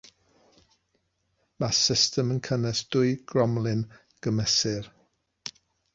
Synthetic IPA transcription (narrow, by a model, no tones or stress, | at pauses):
masɪstəmənkʰənɛsd̥ʊɨɡ̥rɔmlˠɪn | ɡ̥əmɛsɨr